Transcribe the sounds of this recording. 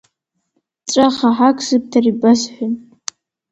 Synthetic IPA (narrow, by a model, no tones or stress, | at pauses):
ʈ͡ʂʷʼaχaħakʰʼzɨp̚tʰaribasħʷʊn